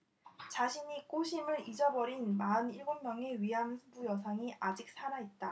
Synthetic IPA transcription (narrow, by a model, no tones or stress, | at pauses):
t͡ɕaɕʰiɲik͈oɕʰimɯɾid͡ʑʌbʌɾinmaɯniɭɡommjʌŋeɥiɦansʰubujʌsʰaŋiʔad͡ʑik̚s͈ʰaɾaet̚t͈a